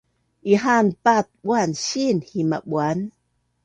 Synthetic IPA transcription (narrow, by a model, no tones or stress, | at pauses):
ʔiɦanpat̪̚ɓwanɕinhima̰ɓwan